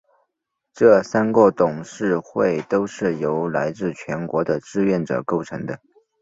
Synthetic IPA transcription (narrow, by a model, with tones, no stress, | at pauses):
ʈ͡ʂɤ˥˩sa˥nkwɔ˥˩t̪ʊ˨˩ŋʂɻ̩˥˧xwe˥˩ɪt̪o˥ʊʂɻ̩˥˩jo˧˥ʊla˧˥ɪt͡sɹ̩˥˩t͡ɕʰɥɛ˧˥nkwɔ˧˥d̪ə˧ʈ͡ʂɻ̩˥˧ɥɛ˥˩nʈ͡ʂɤ̰˨˩ko˥˩ʊʈ͡ʂʰɤ˧˥ŋd̪ə˧